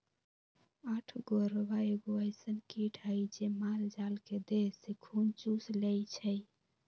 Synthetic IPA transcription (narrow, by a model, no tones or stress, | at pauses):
aʈʰɡoɾbaeɡoəjsənkiʈʰəjd͡ʒemaɾd͡ʒalked̪esekʰunt͡ʃuslejt͡ʃʰəj